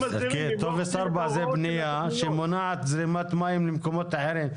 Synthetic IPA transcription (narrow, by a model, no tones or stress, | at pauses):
kit̪ovesaɾbazebnijaʃemonaʕat̪zɾimat̪majimlimkomot̪aħeɾim